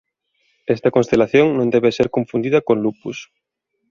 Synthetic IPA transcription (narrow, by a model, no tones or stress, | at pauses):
est̪ɐkonst̪elaθjoŋnõnd̪eβseɾkoɱfund̪iðɐkonlupus